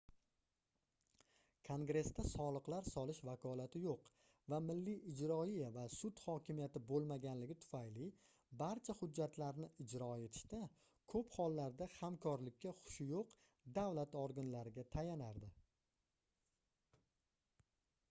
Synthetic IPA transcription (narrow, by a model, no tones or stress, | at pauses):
kʰoŋɡɾe̞st̪asɒlˠɨqlaɾsɒlɪʃvakʰɒlat̪ʰɪjoq | vamɪlːiʔɪd͡ʒɾɒijavasʊt̪hɒkʲɪmijat̪ɪbolˠmaɡʲanlɪɡʲɪt̪ʰʊ̥fajlɪ | baɾt͡ʃʰahʊd͡ʒːat̪ʰlaɾnɪɪd͡ʒɾɒe̞t̪ʰɪ̥ʃt̪a | kʰɵphɒlˠːaɾd̪ahamkʰɒɾlɪkʲːaχʊ̥ʃɪjoq | d̪avlat̪ɔɾɡʊnlaɾɪɡʲat̪ʰajanaɾd̪ɪ